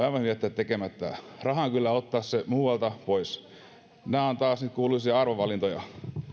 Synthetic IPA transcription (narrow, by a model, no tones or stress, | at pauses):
ɑiʋɑnhyʋiæt̪ːæt̪t̪ekemæt̪ːæ̰ | rɑhɑŋkylːæot̪ːɑːssemuːʋɑlt̪ɑpois | næːont̪ɑːsnyt̪̚kuːluisiɑɑrʋoʋʋɑlint̪ojɑ̰